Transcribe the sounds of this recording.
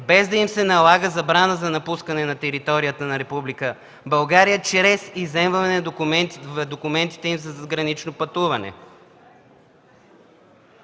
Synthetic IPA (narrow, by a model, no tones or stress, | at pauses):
bɛzd̪ɐimsɛnɐlˠaɡəzɐbɾanəzɐnɐpuskənɛnɐt̪ɛɾit̪ɔɾijət̪ənɐɾɛpublikə | bɐlˠɡaɾijət͡ʃɾɛsizɛmvɐɛɛvd̪okumɛnt̪i̥t̪ɛimzɐzɡɾɐnit͡ʃnopɐt̪uvɐnɛ̰